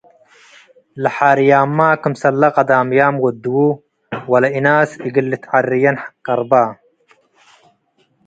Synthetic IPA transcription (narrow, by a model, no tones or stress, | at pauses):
lɐħaːɾjaːmːaːkɨmsɐlːɐqɐd̪aːmjaːmwɐd̪wu | wɐlɐinaːsiɡilːit̪ʕarːijɐnħḁqːɐɾˤbaː